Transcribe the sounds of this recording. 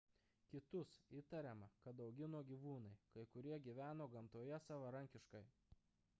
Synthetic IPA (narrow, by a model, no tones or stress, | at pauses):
kʲɪt̪ʊsiːˑt̪ɐɾʲɛmɐkɐt̪d̪ɐʊɡʲɪnoːɡʲiʋuːnɐɪkɐɪkʊɾʲiɛɡʲiːʋʲæːnoːɡɐmt̪uɔjɛsɑːʋɐɾɐŋʲkʲɪʃkɐɪ